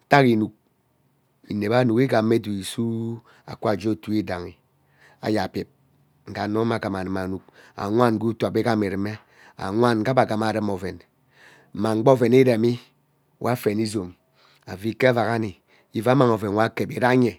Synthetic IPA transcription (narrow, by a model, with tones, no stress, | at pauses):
ta˦ki˨nu˨k̚ | i˨ne˨ba˦nu˨ki˦ɡa˨mː˦e˦du˨i˨su˦ | a̰˨kʷa˦˨d͡ʒo˦˨tu˦i˦da˨ŋi˨ | a̰˨ja˨pje˨p̚ | ŋ̩˨ɡa˨no˦ma˨ɡa˨ma˨nɨ˨ma˨nu˨k̚a̰˨ŋʷa˦n˦ɡu˦to˨a˨be˦ɡa˦me˨ɾi˨me˦ | a̰˨ŋʷa˦n˨ɡa˦ba˨ɡa˨ma˨ɾɨ˦mo˨ve˨n̩˨ | ma˨ŋ͡m̩˦ɡ͡bo˦ve˨ni˦ɾe˨mi˦ | wʔa˦fe˨ni˦zo˨m | a˨vi˨ke˦a˦va˨ka˦ni˨ | i˦va˦ma˨ŋo˨ve˨n˨wa˦ke˨bi˨ɾa˦ɲe˨